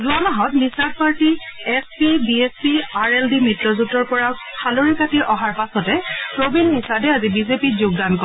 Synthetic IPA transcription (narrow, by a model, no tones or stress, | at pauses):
zuanaɦɔtmisad̚paɹtiɛspibiespiaɹeldimitɹɔzutɔɹpɔɹa | kʰaloɹikatiʔɔɦaɹpasɔtɛpɹobinmisadɛazibizepizʊɡ̚dankɔ